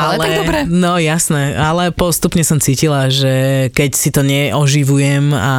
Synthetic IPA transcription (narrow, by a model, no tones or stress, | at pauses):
allɛd̪ɔɾɛnɔjasnɛalɛpɔst̪upɲɛsɔmt͡siːcilaʒɛkɛcsit̪ɔɲɛʔɔʒiʋujɛma̰